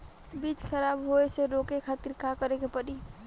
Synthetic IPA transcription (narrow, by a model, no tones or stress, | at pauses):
bit͡ʃkʰəɾabɦoeseɾokekʰat̪iɾkakəɾekepəɾi